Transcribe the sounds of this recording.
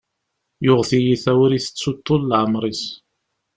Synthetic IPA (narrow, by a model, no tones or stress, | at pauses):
jʊʁθijiθæwɾiθə̥t͡sːut̪ˤːollʕəmɾˤis